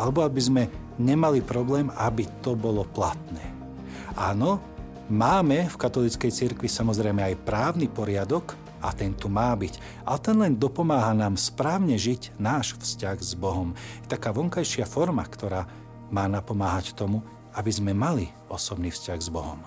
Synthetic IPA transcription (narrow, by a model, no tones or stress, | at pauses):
alɛbɔabizmɛ | ɲɛmalipɾɔblɛːmabit̪ɔbɔlɔplat̪nɛː | aːnɔ | maːmɛfkat̪ɔlit͡skɛjt͡siɾkʋisamɔzɾɛjmɛajpɾaːʊnipɔɾɪad̪ɔk | at̪ɛnt̪umaːbic | ʔa̰lɛt̪ɛnlɛnd̪ɔpɔmaːɦanaːmspɾaːʊɲɛʒiɟnaːʃfscaɣzbɔɦɔmjɛt̪akaːʋɔŋkajʃɪafɔɾma̰kt̪ɔɾaː | maːnapɔmaːɦact̪ɔmu | abizmɛmali | ɔsɔbniːfscaɣzbɔɦɔ̰m